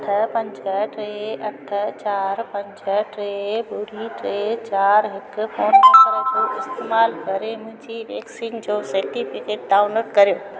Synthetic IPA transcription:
ʈʰəpɐ̃ɲd͡ʑʱəʈɾeɐʈʰət͡ɕaːɾpɐ̃ɲd͡ʑʱəʈɾebʊɾiʈɾet͡ɕaːɾɦɪkpʰõːʈʰt̪ɾəkoːɪst̪eːmaːlɡʱɐɾemʊ̃ɦɪ̃ɲd͡ʑiʋeːksiːnd͡ʑoːseɾʈipʰikeːʈ̚ɖaːʊnoːʈkɐɾjo

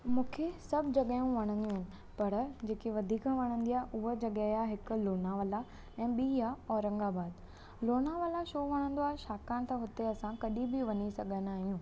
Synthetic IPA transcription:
mũːkʰesɐbʱd͡ʑɐɠaːjũʋɐɽ̃ə̃nd̪iũːɦɪnɪ̆ | pɐɾd͡ʑeːkeʋɐd̪ʱiːkãʋɐɽ̃ə̃nd̪iaːɦʔʊɦəd͡ʑɐɠəjaɦɪkʊ̆loːnaʋəla | ɛ̃ːɓiːaɔːɾɐ̃ŋɡabaːd̪ | loːnaʋəlaʃoːʋɐɽ̃ə̃nd̪oaːɦeʃaːkãːnɪt̪ʰɐɦʊt̪eɐsãkɐɗĩbɪʋɐɲisɐɡʱənaːɦijũː

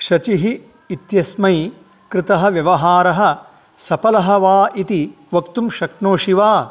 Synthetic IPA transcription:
ʃɐt͡ʃiɦiː | t̪jɐsmɐj | kɾɪt̪ɐɦɐ̆ʋjɐʋɐɦaːɾɐɦɐ̆ | sɐpɐlɐɦɐʋaːʔit̪i | ʋɐkt̪umʃɐknoːʃiʋaː

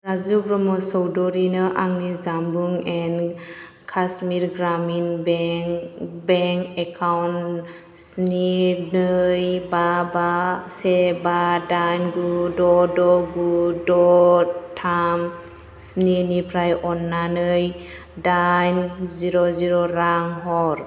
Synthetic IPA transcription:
ɾazubɾɔmɔsɔwdɔɾinɯʔaŋnizambuŋɛn | kʰasmiɾɡɾaminbŋbeŋkekʰawn | sninɯjbabasɛbadajnɡudɔdɔɡudɔtʰam | sninipʰɾajʔɔnːanɯj | dajnziɾɔziɾɔɾaŋɦɔɾ

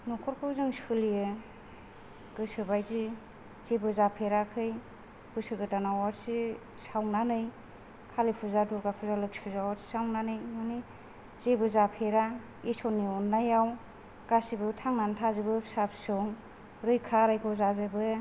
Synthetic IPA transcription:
nɔkʰɔɾkʰɯwzɯŋsulijɯ | ɡ̥ɯsɯbajzi | zebɯzapʰeɾakʰɯj | b̥ɯsɯɡɯtanawaɾsi | sawnanɯj | kʰalipʰɯzaduɾɡapʰuzalɯkspʰɯzawaɾsi̥sawnanɯjmani | zebɯzapʰeɾa | isɔniɔnːajaw | ɡasibɯtʰaŋnantʰazɯbɯsapʰsɔŋ | ɾɯjkʰaɾajɡɔzazɯbɯ

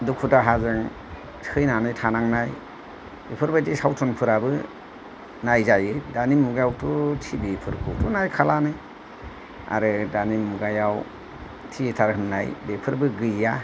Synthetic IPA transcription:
dukʰutaɦazɯŋ | sɯjnanɯjtʰanaŋnaj | bepʰɯɾbadisawtʰɔnpʰɯɾabɯ | najzajɯdanimuɡajawtʰutʰibepʰɯɾkʰṵwtʰunajkʰalanɯ | a̰ɾɯdanimuɡajaw | tʰitʰaɾhɯnnajbepʰɯɾbɯɡɯjːa

